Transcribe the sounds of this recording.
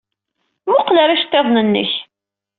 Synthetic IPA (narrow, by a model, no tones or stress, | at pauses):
mʊqləɾæʃt̪ːeðˤnənːə̰ç